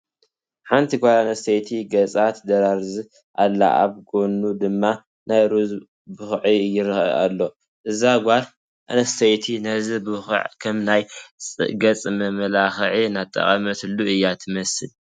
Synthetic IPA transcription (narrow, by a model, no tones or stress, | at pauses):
ħant̪ʰiɡʷalanɐst̪ʰɐjt̪ʰiɡɐt͡sʼat̪d̪ɐɾaɾzi | ʔalːa̰ʔa̰βɡonːud̪ɨmːa | najɾuz | bɨxʕijɪɾɨxɐ̰a̰lːo̞ | ʔɨzaɡʷaɾ | ʔa̰nɐst̪ʰɐjt̪ʰinɐzibɨxʕkʰɐmnajʼɨ̰ɡɐt͡sʼmɐmlaxʕinat̪ʼːɐ̰χʼɐmɐt̪ʰɨlːuɨjːat̪ʰɨmɐsɨl